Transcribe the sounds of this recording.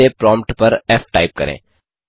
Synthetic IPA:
epɾɔ̃ːmpʈpɐɾɛːfʈaːɪp̚kɐɾḛ̃ː

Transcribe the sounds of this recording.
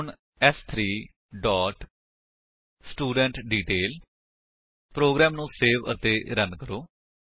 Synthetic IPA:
ɳ | ɛst̪ʰɾiː | ɖɔːʈ | sʈuːɖə̃ɳʈɖiːʈeːl | pɾoːɡɾɛːmnũːseːʋə̰t̪eːɾənkəɾoː

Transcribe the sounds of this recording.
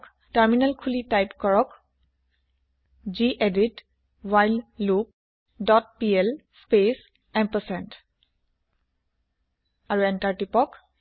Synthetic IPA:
k | taɹminalkʰulitajpkɔɹɔk | d͡ʒiʔedit | wajllup̚ | dɔt̚pielspes | ɛmpəsɛnt | aɹuɛntaɹtipɔk

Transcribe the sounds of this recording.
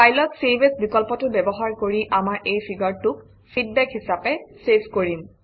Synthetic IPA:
pajlɔtsebesbikɔlpɔtʊbɛbɔɦaɹkoɹiʔamaɹʔejpʰiɡaɹtʊk | pʰid̚bɛkɦisapɛsepʰkoɹim

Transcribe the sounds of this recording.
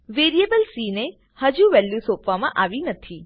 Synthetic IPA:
ʋeɾiebəlsine | həd͡ʒuʋɛljusopʋamã̰ʔaʋinət̪ʰi

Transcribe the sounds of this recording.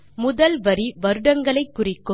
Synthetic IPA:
mʊðɐlʋɐɾiʋɐɾɯɽɐŋɡɐɭɐɪkːʊrɪkːɯ

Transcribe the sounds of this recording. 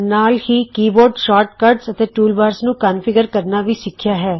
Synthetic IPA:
naːlhiːkiːbɔːɾɖʃaːɾʈkəːɾɖsət̪eːʈuːlbaːɾsnũːkaːnfɪɡəɾkəɾnaːʋiːsɪkʰːjaːɦɛː

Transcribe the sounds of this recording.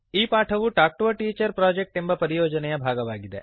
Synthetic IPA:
ipaʈʰɐʋuʈak̚ʈʋɐʈiːt͡ʃəɾpɾɔd͡ʒek̚ʈembɐpəɾijoːd͡ʒənjabʱaɡɐʋaɡid̪ḛ

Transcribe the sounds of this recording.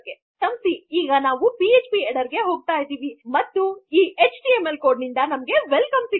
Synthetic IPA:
ɡe | sɐmst̪iiːɡɐnaːʋupiet͡ʃpieɽɐɾɡe̞ɦo̞ːɡ̚t̪aːjd̪iːʋimɐt̪ːuiːet͡ʃʈiemelko̞ːɾɖnind̪ɐnɐmɐɡe̞ʋelkɐmsi

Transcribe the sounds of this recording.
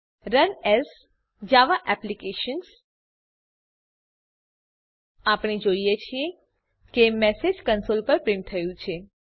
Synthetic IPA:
ɾənes | d͡ʒaʋaʔɛplikeʃəns | apɽ̃ed͡ʒoijet͡ʃʰie | kemɛsed͡ʒkənsolpəɾpɾemt̪ʰəjũt͡ʃʰe

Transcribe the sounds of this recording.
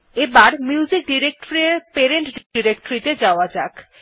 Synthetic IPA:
ebaɾmjiuud͡ʑik̚ɖiɾek̚ʈoɾeɾpeɾeɳʈɖiɾekʈoɾit̪ed͡ʑaoad͡ʑak

